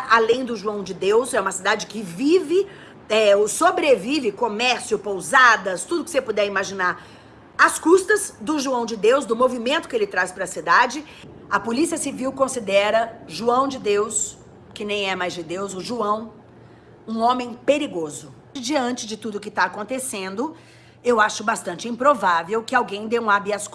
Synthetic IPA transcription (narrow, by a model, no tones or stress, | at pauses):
ʔalẽj̃d̪ʊʒuɐ̃w̃d͡ʒɪd̪ewsɛũmɐsid̪ad͡ʒɪkɪvivɪ | ɛʊsobɾevivɪkomɛɾsiʊpowzad̪ɐst̪ud̪ʊkɪ̥sepod̪ɛimaʒinaɾ | ɐskust̪ɐzd̪ʊʒuɐ̃w̃d͡ʒɪd̪ewzd̪ʊmovimẽnt̪ʊ̥kɪelɪt̪ɾaspɾɐsid̪ad͡ʒɪ | ɐpolisiɐsiviwkõsid̪ɛɾɐʒuɐ̃w̃d͡ʒɪd̪ews | kɪnẽj̃ɛmajzd͡ʒɪd̪ewzʊʒuɐ̃w̃ | ũõmẽj̃peɾiɡozʊ | d͡ʒiɐ̃nt͡ʃɪzd͡ʒɪt̪ud̪ʊkɪt̪aːkõnt̪esẽnd̪ʊ | ewaʃʊbast̪ɐ̃nt͡ʃɪĩpɾovavewkɪawɡẽj̃d̪eũabiɐs